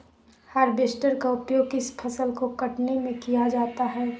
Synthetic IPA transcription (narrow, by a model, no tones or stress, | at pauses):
haɾbesʈəɾkaʊpjoːɡɪspʰɐsəlkokɐʈnemẽkijad͡ʒaːt̪aɦɛː